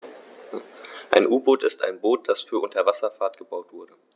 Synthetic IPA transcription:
ʔa̰ɪnʔuːboːtɪsta̰ɪnboːt̚d̥asfyːɐʔʊntʰɐvasɐfaːɐtɡ̥əbaʊtv̥ʊɐdə

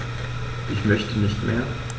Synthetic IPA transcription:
ʔɪçmœçtənɪçtmʔḛːɐ

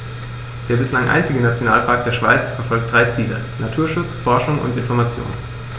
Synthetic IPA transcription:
d̥eːɐbɪslaŋʔa̰ɪnt͡sɪɡənat͡sjona̰ːlpʰaːk̚d̥eːɐʃv̥aɪt͡sfɛɐfɔlk̚td̥ʁaɪt͡siːlə̰ | natʰuːɐʃʊt͡sfɔɐʃʊŋʊ̰ntɪnfɔɐmat͡sjo̰ːnn

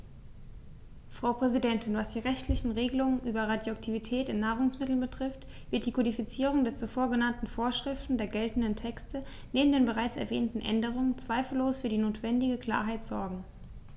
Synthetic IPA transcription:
fʁ̥aʊpʁ̥ɛzidɛntɪnvasd̥iːʁɛçtlɪçn̩ʁeːɡəlʊŋənʔyːbɐʁadjoak̚tʰivitʰɛːtɪnːaːʁʊŋsmɪtl̩nbətʁ̥ɪft | v̥ɪɐt̚d̥iːkʰodifit͡siːʁʊŋdeːɐt͡sufoːɐɡənantn̩foːɐʃʁ̥ɪftn̩deːɐɡɛltn̩dəntʰɛkstʰə | neːbm̩deːnbəʁaɪt͡sɛ̰ɐvɛ̰ːntn̩ʔɛ̰ndəʁ̞ʊŋənt͡sv̥aɪfl̩ːoːsfyːɐdiːnoːtv̥ɛndɪɡəkʰl̥a̰ːɐɦaɪtz̥ɔɐɡŋ̩

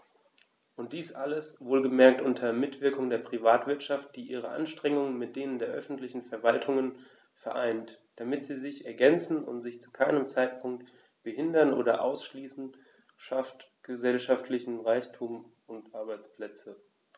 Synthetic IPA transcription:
ʔʊnt̚d̥iːsʔaləsvoːlɡəmɛɐk̚tʔʊntʰɐmɪtv̥ɪɐkʊŋdeːɐpʁ̥ivaːtv̥ɪɐtʃaft̚d̥iːʔiːʁ̞əʔa̰nʃtʁ̥ɛŋʊŋənmɪt̚d̥eːnəndeːɐʔœfn̩tlɪçn̩fɛɐvaltʰʊŋən | fɛɐʔaɪntd̥amɪtz̥iːzɪçɛɐɡɛnt͡sn̩ʊ̰ntz̥ɪçt͡su̥kʰaɪnəmt͡saɪt̚pʰʊŋk̚t | b̥əhɪndɐnʔo̰ːɾɐʔa̰ʊsʃliːsn̩ | ʃaftɡ̥əzɛlʃaftʰlɪçn̩ʁaɪçtʰuːm | ʊntʔaɐbaɪt͡spl̥ɛt͡sə

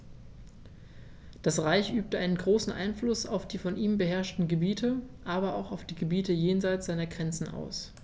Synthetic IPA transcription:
d̥asʁaɪçʔyːp̚təʔaɪnənɡʁoːsn̩ʔa̰ɪnflʊsa̰ʊfd̥iːfɔnʔiːmbəɦɛɐʃtn̩ɡəbiːtʰəʔaːbɐaʊxaʊfd̥iːɡəbiːtəjeːnzaɪt͡sz̥aɪnɐɡʁɛnt͡sn̩ʔa̰ʊs

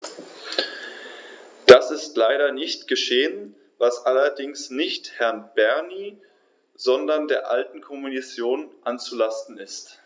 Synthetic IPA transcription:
d̥asɪstlaɪɾɐnɪçtɡ̥əʃeːən | vasʔalɐdɪŋsnɪçthɛɐnb̥ɛɐniː | z̥ɔndɐndeːɐʔaltn̩kʰɔmunit͡sjoːnʔant͡sulastn̩ɪst

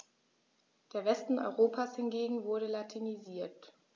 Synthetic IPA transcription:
d̥eːɐvɛstn̩ʔɔ̰ʏʁoːpʰaːshɪnɡeːɡŋ̩vʊɐɾəlatʰiniziːɐt

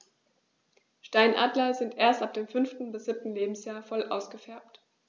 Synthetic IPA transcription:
ʃtaɪnʔa̰ːdlɐzɪntʔeːɐstʔap̚d̥eːmfʏnftn̩bɪsz̥ɪp̚tn̩leːbm̩sjaːɐfɔlʔa̰ʊsɡ̥əfɛɐp̚t

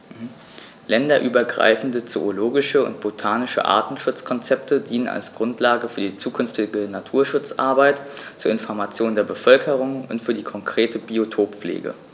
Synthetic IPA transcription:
lɛndɐʔyːbɐɡʁa̰ɪfn̩dət͡sooloːɡɪʃəʊ̰ntb̥otʰaːnɪʃə̰ʔa̰ɐtn̩ʃʊt͡skʰɔnt͡sɛp̚tʰədiːnəna̰lsɡ̥ʁʊntlaːɡəfyːɐdiːt͡suːkʰʏnftɪɡənatʰuːɐʃʊt͡sʔa̰ɐbaɪtt͡suːɐɪnfɔɐmat͡sjoːndeːɐbəfœlkʰəʁ̞ʊŋʊntfyːɐdiːkʰɔŋkʁ̥eːtʰəbiotʰoːpp͡flḛːɡə̰

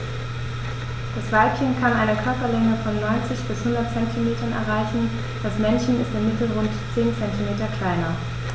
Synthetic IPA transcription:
d̥asv̥alp̚kɪŋkʰanʔaɪnəkʰœɐpɐlɛŋəfɔnːɔʏnt͡sɪçb̥ɪshʊndɐt̚t͡sɛntʰimeːtɐnɛ̰ɐʁaɪçn̩ | d̥asmɛnçn̩ɪstɪmmɪtl̩ʁʊntt͡seːnt͡sɛntimeːtɐkʰl̥aɪnɐ

